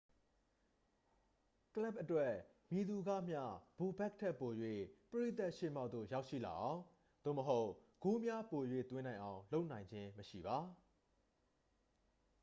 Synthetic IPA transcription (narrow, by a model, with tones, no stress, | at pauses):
kəla˦p̚ʔətwɛ˦ | mji˨d̪u˨ɡa̰˦˨m̥ja̰˦˨b̥u˨bɛ˦˨k̚tʰɛ˦ʔpːo˨jwḛ˦˨pəɹi˦˨t̪a˦ʔʃḛ˦˨m̥a˦˨t̪o̰˦˨ja˦ʊʔʃḭ˦˨la̰˨ʔã˨ʊ̃ | d̪̥o̰˦˨məɦo˦ʊʔɡ̥o˦mja˦po˨jwḛ˦˨t̪wɪ̃˦nã˨ɪ̃ʔã˨ʊ̃lo˦ʊʔnã˨ɪ̃ɲd͡ʑɪ̃˦məʃḭ˦˨ba˨